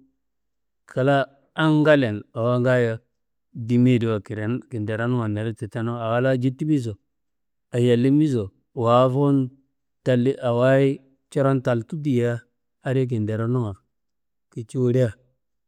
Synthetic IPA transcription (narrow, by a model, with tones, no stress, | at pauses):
kʰa˨laː˦ | ŋɡa˦le˨na˨wa˦ŋɡa˦ja˦ | di˨mi˦˨di˨wa˨ki˨ɾe˨ki˨nde˨ɾa˦nu˦ŋa˨ne˨ɾi˦ti˨te˦no˦a˨wa˦la˦d͡ʒi˦tːi˦mi˦zo˨ | a˨ja˨lːi˦mi˦zo˨ | wa˨˦fo˦n | ta˨li˦ʔa˨wa˦i˦ | t͡ʃe˦ɾo˦nta˨ltu˦di˨jaː˦ | ɾi˦k̬i˨nde˨ɾa˦nu˦ŋa˨ | ki˨t͡ʃi˦wu˨ɾe˦ja˨